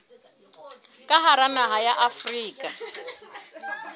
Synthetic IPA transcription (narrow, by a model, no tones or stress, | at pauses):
kʼaɦaɾanaɦajaʔafriːkʼa